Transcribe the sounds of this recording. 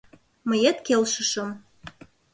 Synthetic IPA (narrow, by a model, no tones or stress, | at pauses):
mə̆jet̪kelʃə̆ʃə̆m